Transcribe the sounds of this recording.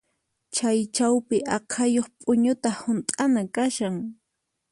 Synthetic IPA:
t͡ʃajt͡ʃawpɪʔɑqʰajoχpʼʊɲʊt̪ahʊnt̪ʼanakaʃaŋ

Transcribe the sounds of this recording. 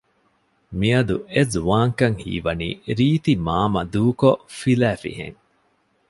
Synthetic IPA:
miɐd̪uezuʋaːŋkɐŋhḭːʋɐnḭːɾiːt̪imaːmɐd̪uːkofilæːfḭhḛŋ

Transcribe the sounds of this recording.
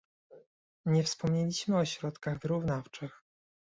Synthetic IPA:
ɲɛfspɔmɲɛlʲiɕmɘɔɕɾɔt̪kaɣvɘɾuvnaft͡ʂɘx

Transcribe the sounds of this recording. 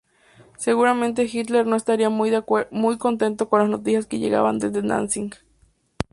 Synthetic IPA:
seɣuɾamẽnt̪̬exit̪leɾnoest̪aɾiamujðamujkont̪ent̪okonlasnot̪̬isjaskejḛɣa̰βa̰nd̪eðena̰nsiŋk

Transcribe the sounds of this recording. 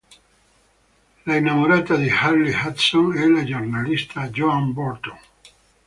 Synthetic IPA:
lainːamoɾaːt̪ad̪iharːihat̪sonɛlad͡ʒornalist̪ʰad͡ʒoambɔrt̪o

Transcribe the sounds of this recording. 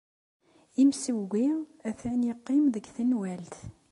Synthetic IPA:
imsəɡʷiæθænjiqːimðəɡθənwælt̪

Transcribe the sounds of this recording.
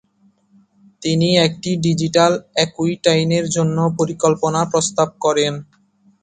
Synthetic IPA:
t̪iniɛk̚ʈiɖid͡ʑiʈalɛkuiʈajneɾd͡ʑonːopoɾikolponapɾost̪ab̚kɔɾen

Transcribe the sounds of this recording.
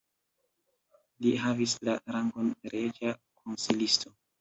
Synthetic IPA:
liɦavislaɾaŋɡo̞nɾed͡ʒakʰonsilisto̞

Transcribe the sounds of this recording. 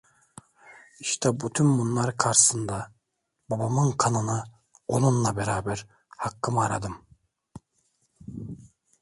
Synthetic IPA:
iʃt̪ʰɛbyt̪ʰynbunlˠaɾkʰaɾɯsɯnd̪a | babamɯnkʰanɯna | onunlˠabeɾaːbɛɾ | hakːɯmaɾa̰d̪ɯm

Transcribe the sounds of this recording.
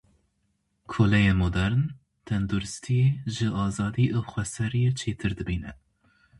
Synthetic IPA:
kʰoːlɛjemod̪ɛɾn | t̪ʰɛnd̪uɾɨst̪ʰijeʒɨʔɑːzɑːd̪iːʔoxʷwɛsɛɾijet͡ʃʰeːt̪ʰɨɾd̪ɨbiːnɛ

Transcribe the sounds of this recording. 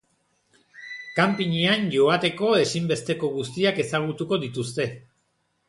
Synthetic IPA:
kampiɲianʝo̞at̪e̞ko̞e̞simbe̞st̪e̞ko̞ɣust̪iake̞saɣ̞ut̪uko̞ðit̪ust̪e̞

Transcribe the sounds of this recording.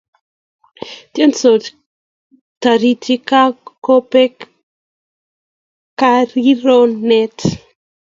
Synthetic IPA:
t̪jɛnso | taɾitikakopɛ | kaɾiɾonɛt

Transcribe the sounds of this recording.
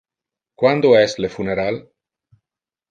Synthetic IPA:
kwand̪oɛslefuneɾal

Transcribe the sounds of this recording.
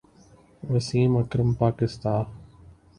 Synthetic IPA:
ʋɐsiːmɐkɾəmpaːkɪst̪aː

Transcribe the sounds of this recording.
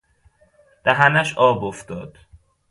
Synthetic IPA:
d̪̥æɦænæʃɒːboft̪ɒːd̪̥

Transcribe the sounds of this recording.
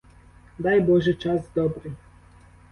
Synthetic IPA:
d̪ajbɔʒɛt͡ʃazd̪ɔbɾi

